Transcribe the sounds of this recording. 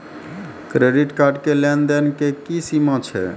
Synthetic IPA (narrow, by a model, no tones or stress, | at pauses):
kɾeɖiʈkaɾɖkelɛnd̪enkekisimə̃t͡ʃʰɛ̰